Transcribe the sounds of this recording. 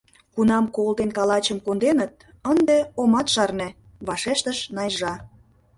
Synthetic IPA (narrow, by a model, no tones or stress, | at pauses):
kunɑmkold̪enkɑlɑt͡ɕəmkond̪enət̪̚ | ənd̪eomɑt̪ʃɑrnĕ | βɑʃeʃt̪əʃnɑjʒɑ